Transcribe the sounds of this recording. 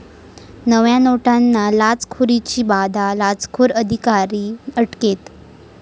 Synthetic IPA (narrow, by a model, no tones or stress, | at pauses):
nəʋjanoʈanːalad͡zkʰuɾit͡ɕiːbad̪ʱalad͡zkʰuɾəd̪ʱikaɾiːəʈket̪